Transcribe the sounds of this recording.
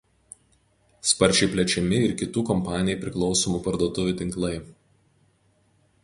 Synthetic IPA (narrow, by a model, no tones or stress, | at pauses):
spɐɾʲt͡ʃʲɛɪpʲlʲɛt͡ʃʲɛmʲɪɪɾkʲɪt̪uːkɔmpɑːnʲɪjɛpʲɾʲɪklˠɒʊsɔmuːpɐɾd̪uɔt̪ʊʋʲuːˑt̪ʲɪŋklˠɐɪ